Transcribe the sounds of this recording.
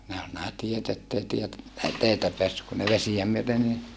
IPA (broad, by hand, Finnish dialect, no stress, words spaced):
næː ol næː tiet etːei tiet ei teitæ peæsːyk kun ne ʋesijæ myøte ni